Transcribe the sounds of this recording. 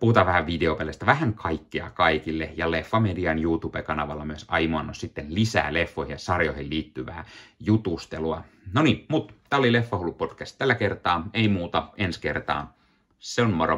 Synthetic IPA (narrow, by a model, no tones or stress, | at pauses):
puhut̪ɑːʋæhæʋʋideopelest̪æʋæhæŋkʰɑikːiɑ̰kɑikilːejɑlefːɑmediɑnjuːt̪ub̥ekɑnɑʋɑlːɑmyøsɑimuɑnːossit̪ːenlisæ̰ːlefːoihijɑsɑrjoihilliːt̪ːyʋæ̰ːjut̪ust̪eluɑ | nonimut̪t̪æːolilefːɑholːupod̥kæst̪t̪ælːækert̪ɑːeimuːt̪ɑenskert̪ɑ̰ː | seonmoro̰